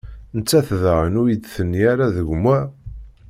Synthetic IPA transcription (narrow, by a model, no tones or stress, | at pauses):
nət͡sːæθðʁənujid̪θənːiaɾaðəʝmæ